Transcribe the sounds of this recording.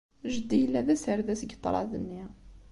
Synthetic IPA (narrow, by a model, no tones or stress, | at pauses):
ʒəd̪ːijəlːæðæsəɾðæsɡət̪ˤːɾˤɑ̰ðənːi